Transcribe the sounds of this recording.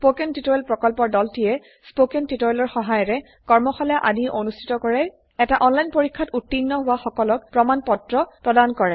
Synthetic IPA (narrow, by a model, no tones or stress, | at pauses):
spokɛntitɔjlpɹɔkɔlpɔɹdɔltijɛ | spokɛntitɔjlɔɹxɔɦajɔɹɛ | kɔɹmɔxɔljaʔadiʔonustʰi̥tɔkɔɹɛ | ɛtaʔɔnlajnpoɹikʰːatutːinːɔɦʊwaxɔkɔlɔk̚pɹɔmanpɔtɹɔpɹɔdankɔɹɛ